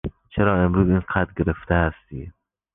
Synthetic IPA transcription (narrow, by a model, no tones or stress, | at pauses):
t͡ʃʰeɾɒːemɾuːziːnqʰæt̪ɡe̞ɾeft̪eæst̪iː